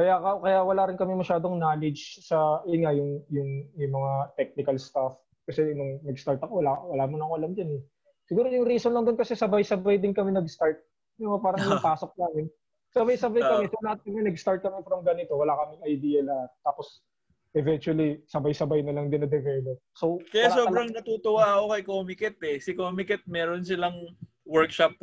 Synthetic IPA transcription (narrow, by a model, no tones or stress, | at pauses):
kɐjakɐkɐjawɐlaːɾɪnkɐmɛmɐʃaːd̪oŋnaːlɪd͡ʒsɐʔɪŋajʊŋjʊŋjʊŋmɐŋat̪ɛk̚nɪkɐlst̪af | kɐsɛɪnoŋnɐɡst̪aɹt̪ɐkowɐlawɐlaːmʊnɐkoʔɐlamd̪ɪnɛ | sɪɡuːɾo̞jʊŋɾiːsonlɐŋd̪onkɐsɛsɐbajsɐbajd̪ɪnkɐmɛnɐɡst̪aɹt̪̚ | nɪmɐpaːɾɐŋjʊŋpaːso̞k̚naːmɪn | sɐbajsɐbajkɐmɛsolɐhat̪̚kɐmɛnɐɡst̪aɹt̪̚kɐmɛfɾɐmɡɐnɪt̪o̞wɐlakɐmɪŋɐjd̪iːjɐlɐhat̪̚ːaːpos | ʔɛvɛnt͡ʃuwɐlisɐbajsɐbajnɐlɐŋd̪ɪnːɐd̪ɛvɛlop̚sokɐjasoɐɾɐŋnɐt̪uːt̪owaʔɐkokɐjkoːmɪkɛt̪ɛsɪkoːmɪkɛt̪̚mɛːɾonsɪlaŋ | wɛɹkʃɐp̚